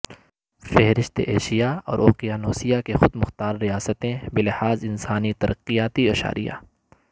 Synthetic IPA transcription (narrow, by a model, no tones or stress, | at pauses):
fɛɦɾɪʃt̪ḛʔeːʃijaɔ̰ːɾʔoːqijaːnoːsijakexʊd̪mʊxt̪aːɾːijaːsət̪ẽbɪlɪhaːzɪnsaːnit̪ɐɾʔɐqːijaːt̪iɐʃa̰ːɾʔḭja̰ː